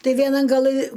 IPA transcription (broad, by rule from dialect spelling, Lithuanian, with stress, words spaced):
ˈtɐɪ ʋʲiɛˈnɐn ɡɐˈlˠɨ